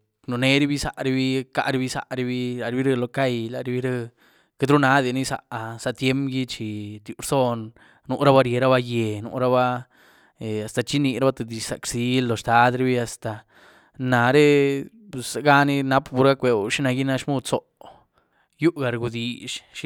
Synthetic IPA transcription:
nu˨ne˧˦ɾi˦bi˦sa̰˨ʔɾi˧bi˦ka̰˦ʔɾi˧bi˦sa̰˧ʔɾi˧bi˦la˨ɾi˧bi˦ɾe˧lo˧ka˦jla˨ɾi˧bi˦ɾe˦ | ke˧d̪ɾu˦na˨˦d̪i˨ni˦sa̰˨ʔsa˨t̪je˦mɡi˦t͡ʃi˨t̪ju˧ɾso˦˧nː | u˧ʔɾa˦ba˦ɾje˨ɾa˦ba˧je˨nṵ˧ɾa˦ba˦ | e˨a˨st̪a˧t͡ʃi˦ni˧ɾa˦ba˦t̪e˧˨d̪i˧ʃsa̰˨ksi˧˦lːo˨st̪a˦d̪ɾi˧bi˦a˧st̪a˨ | na˨ɾe˦ | psa˧ɡa˦˧ni˦na˦pbu˨˧ɾɡa˦kʷe˨˧ʃi˦na˧ɡi˦na˧ʃmu˦t͡so˨ʔ | ju˦ʔɡa˨ɾɡu˧d̪i˨ʃʃi˦

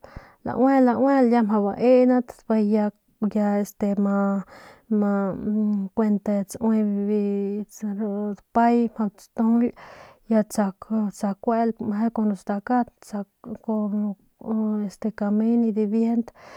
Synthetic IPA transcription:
la̰˨ʔwe˦la˧we˦lja˦ma˧ba˨˧ʔe˦na˦t̪ba˧ja˧ | ja˧e˨st̪e˧ma˧ | ma˧ | kʷe˧nt̪a˧t͡sʔwe˧bi˧t͡sɾd̪pa˦jm̥ha˧t͡st̪u˦lja˧t͡sa˧kt͡sa˧kʷe˦lma˨ɦe˦ko˧nɾo˧st̪a˧ka˦t̪t͡sa˧kːo˧ | e˨st̪e˧ka˧mi˦ni˧d̪i˧bje˦nt̪

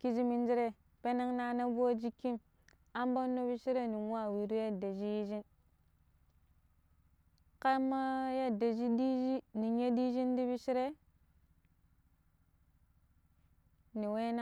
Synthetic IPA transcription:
ki˦d͡ʒi˦mi˦n˦d͡ʒi˦ɾe˦ | pe˦na˦ŋna˦na˦bo˦d͡ʒi˦kːi˦m | a˦mba˦nːo˦bi˦ʃi˦ɾe˦ni˨ŋ˦a˦˨wi˨ɾu˦ja˦da˨d͡ʒi˦ji˦d͡ʒi˦n | ka˦ma˦ja˦da˨d͡ʒi˦di˦i˦ni˨ɲe˦di˦ʒi˦ndi˦bi˦ʃi˦ɾe˦ | ni˨we˦na˦

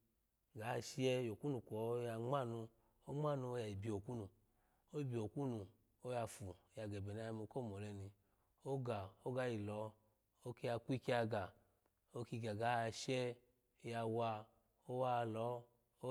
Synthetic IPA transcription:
ɡa˨˦˧ʃi˦ɛ˧jo˨ku˦nu˨kʷɔ˨˦ja˧ŋ͡ma˦˨nu˧ | o˦ŋ͡ma˦˨nu˧o˧ja˨i˨bi˨o˨ku˦nu˨ | o˦i˦˧bi˨o˨ku˦nu˨ | o˦ja˧fu˨ja˧ɡɛ˨bɛ˨na˧˦˧mo˧˦ko˦˨mɔ˨lɛ˧ni˧ | o˦ɡa˨o˦ɡa˧˦ji˨lɔ˨˦ | o˦ki˧˦ja˧kʷi˦ki˦a˧ɡa˨ | o˦ki˧ɡa˨ɡa˨˦˧ʃɛ˦ | o˦ja˧wa˧ | o˦wa˦˧lɔ˨˦ | o˦

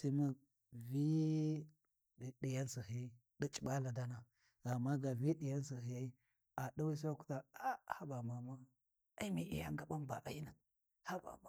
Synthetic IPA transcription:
si˦ma˦ | vi˦˨ | ɗi˨ja˦nsi˨hi˦ | ɗi˦t͡ʃʼi˨ɓa˦la˨da˦na˨ | a˨mːa˦ɡa˨vi˦ɗi˨ja˦nsi˨ɦi˨ja˦i˦ | a˨ɗa˦wi˦s̬a˦ku̥˦ta˦a˦ha˦ba˨ma˨ma˦ | a˦i˦mi˨ʔḭ˨ja̰˦ŋɡa˦ba˦mba̰˨ʔa̰˨i˦na˨ | ha˦ba̰˨ma˦

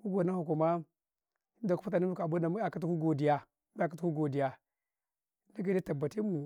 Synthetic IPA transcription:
mu˦ɡo˨na˦hu˨ku˨ma˦ | i˦nda˨ku˦fu˦ta˨ni˦u˦ka˨ba˦da˨mu˦a˨ka˦t̬u˦ku˦ɡo˨di˨ja˦ | a˨ka˦u˦ku˦ɡo˨di˨ja˨˦ | na˦ɡa˨di˦ta˨ba˨ti˦mu˨

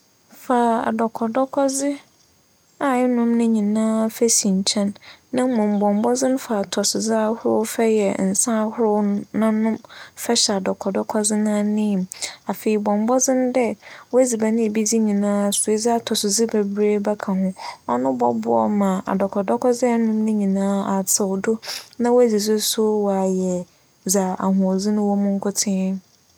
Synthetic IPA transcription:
faː˨a̰˨dɔ˨kʰɔ˨dɔ˦kʰɔ˦zɪ˦ | a˨ɪ˦nʊ̃˦mnʊ̃˦ɲĩ˨nãː˦fæ˦sĩ˨ɲ˨t͡ɕʰɛ̃˦nːã˦mʊ̃˨m˨bɔ̃˨m˦bɔ˦d͡zɪ̃˦n˦fa˨tʰɔ˨sɪ˨zɪ˦a˦hʊ˦ɾʊ˦fɛ˦jɛ˨n̩˨sã˦hʊ˦ɾʊ˦nã˦nʊ̃˦mfɛ˦ɕɛ˨a˨dɔ˨kʰɔ˨dɔ˦kʰɔ˦d͡zɪ˦nã˦nɪ̃˦˨ma˨fe˨i˨bɔ̃˨m˦bɔ˦d͡zɪ̃˦n˦dɛ˦wɔ˦æ˦d͡zi˨ba˨nɪ̃˦e˨bi˦d͡zi˦ɲĩ˨nãː˦˨sʊ˨e˦d͡za˦a˦˨tʰɔ˨sɪ˨zɪ˦be˨bɾe˦bɛ˦kʰã˨hʊ̃˦ɔ˦nʊ̃˦bɔ˦bʊ˦ɔ̰˦mã˨a̰˨dɔ˨kʰɔ˨dɔ˦kʰɔ˦zɪ˦a˦nʊ̃˦mnɪ̃˦ɲĩ˨nãː˦a˨tʰɪ˨dʊ˦nã˦wo˦æ˦d͡zi˨d͡zɪ˦sʊ˦wa˨jɛ˨ | d͡za˨a˨hʊ̃˨ɔ˨zi˦nʊ̃˦wɔ˦mʊ̃˦ŋ̩˦kʰʊ˦tʰɪ̃˦

